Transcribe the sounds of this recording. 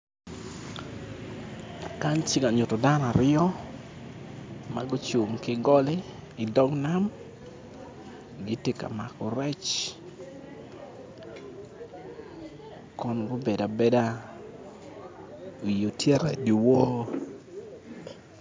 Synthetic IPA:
ka˦nt͡ʃɪ˦ka˨ɲʊ˨tɔ˨da˦n˨a˨ɾɪɔ˦ | ma˦ɡo˦t͡ʃu˨mkɪ˦ɡɔ˦lɪ˦ɪ˨dɔ˦ŋna˦m | ɡɪ˦tɪ˦ka̰˨ma˨kɔ˨ɾɛ˦t͡ʃ | kɔ˨nɡʊ˦be˨da˨be˦da˦ | o˨jo˨tjɛ˦ɾa˨di˨wo˦

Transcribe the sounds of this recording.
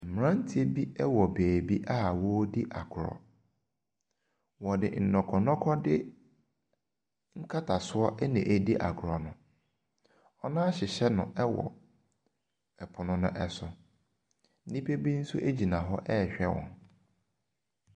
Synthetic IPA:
m̩˨m̃˨ɾã˦n̩˦tʰi˨˦e˦bi˦ɛ˦wɔ˨beː˨bi˦ʔa˦˨wɔ˦di˦ʔa˨ɡʰʊ˨ɾɔ̰˨ | wɔ˨dɪ̰˨n̩˨nɔ̃˨kʰɔ˨nɔ̃˦kʰɔ˦dɪ˦ | ŋ̩˦kʰa˦tʰa˨sʊ˦ɔ˦ʔɛ˦nɪ̃˨ʔæ˦di˦ʔa̰˨ɡʊ˨ɾɔ˨nʊ̃˨ | ɔ˦nãː˦ɕɪ˨ɕɛ˦nʊ̃˨ʔɛ˦wɔ̰˨ | ɛ˨pʰʊ˨nʊ̃˦nʊ̰̃˦ʔɛ˨sʊ˨˦ | nĩ˦pʰe˦bi˦n̩˦sʊ˦ʔe˦d͡ʑi˨nã˨ɦɔ˦ʔɛ˦˨ɕᶣɛ˦wɔ̰̃˨n

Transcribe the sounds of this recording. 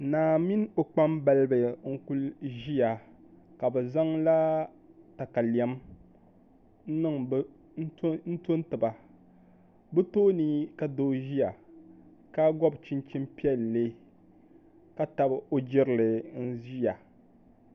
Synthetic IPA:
naː˨mi˦n˦o˨k͡pa˦mba˦lbɨ˨ŋ̩˦ku˦lʒi˦a˨ | ka˨bɛ˨za˦ŋla˦ | ta˨ka˨li˨ɛ˨m | n̩˦nɨ˦ŋb | n̩˦to˦n˦tɨ˨ba˨ | bɨ˦toː˦ni˦ka˨doː˦ʒi˦ja˨ | ka˦ɡɔ˦bt͡ʃi˦nt͡ʃi˦mpi˦ɛ˦lːe˦ | ka˦ta˨bo˦d͡ʒɪ˦ɾɨ˦˨lɨ˨n̩˦zi˦a˨

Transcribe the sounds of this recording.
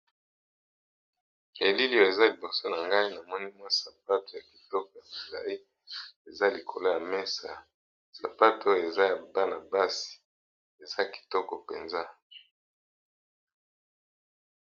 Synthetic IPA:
e˨li˦li˨jo˨e˨za˦li˨bo˨so˦na˨ŋɡa˦i˦na˨mɔ˦ni˦mwa˦sa˨p̚a˦to˨ja˨ki̥˨tɔ˦kɔ˨ja˨mo˨la̰˨i˦ | e˨za˦li˨kʰo˨lo˦ja˨mɛ˦sa̰˨ | sa˨pa˦to˦je˨za˦ja˨ba˦na˨ba˦si̥˨ | e˨za˦ki̥˨tɔ˦kɔ˨pḛ˨nza˦

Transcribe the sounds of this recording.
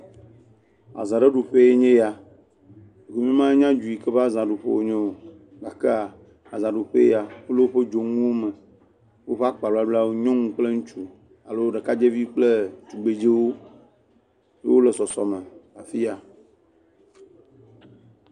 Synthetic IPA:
a̰˨zã˨ɖe˦ɖu˨ɸe˦e˦ɲẽ˦ja˨ | ɡe˨mĩ˦mã˦e˦ɲã˦d͡ʒu˨i˨ke˦ɸzã˨ɖu˨ɸḛ˦wo̰˦ɲẽ˦wo˨ | ɡa˨ke˦a˨ | a˨zã˨ɖu˨ɸḛ˦ja˨we˦le˦wo˦ɸe˦d͡ʒo˨ŋũ˦wo˦me˨ | wo˦ɸe˦a˦k͡pa˨u˦a˦ɖu˦la˦wo˦ɲɔ̃˦ŋũ˦k͡ple˦ŋũ˦t͡ʃu˦ | a̰˨lo˦ɖe˨ka˦d͡ʒe˦vi˦k͡ple˦t͡ʃu˨ɡ͡be˨d͡ʒe˦wo˦ | jḛ˦wo˦le˨sɔ˨sɔ˨me˨a˨fi˦a˨

